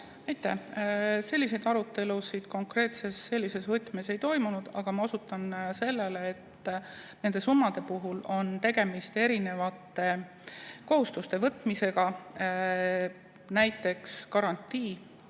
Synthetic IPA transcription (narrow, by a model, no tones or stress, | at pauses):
ɑjt̪ːˑæ̰hse̞lʲːise̞jd̪ɑɾut̪ːˑe̞lusid̪̥ko̞ŋkre̞ːt̪se̞sːe̞lʲːise̞svɤt̪ːˑmese̞jt̪o̞jmunud̪̥ɑ̰ɡ̥ɑmɑo̞sut̪ːˑɑnse̞lːe̞leːt̪ː | ne̞nd̪̥e̞sumːɑd̪̥e̞puɦulo̞nt̪e̞ɡ̥e̞mist̪e̞ɾine̞vɑt̪ːe̞ | ko̞ɦhust̪ust̪e̞vɤt̪ːˑmise̞ɡ̥ɑ | næjt̪ːˑe̞kskɑɾɑnʲt̪ːˑiː